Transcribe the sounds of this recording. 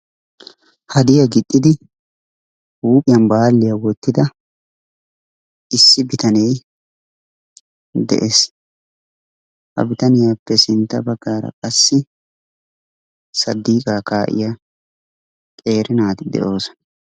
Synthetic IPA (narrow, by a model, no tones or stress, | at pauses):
hɐd̪ɪjɐɡɪt̪ʼːɪd̪ɪ | uːpʼɪjɐnbaːlːɪjɐwɔt̪ːɪd̪ɐ | ɪsːɪbɪt̪ɐnɛj | d̪ɛ̰ʔeːs | hɐ̰bɪt̪ɐnɪjaːpːɛsɪnt̪ːɐbɐɡːaːɾɐ̰kʼɐsːɪ | sɐd̪ːiːkʼaːkaːʔɪ̰ja | kʼe̞ːɾɪnaːt̪ɪd̪ɛ̰ʔo̞ːsɔ̥nɐ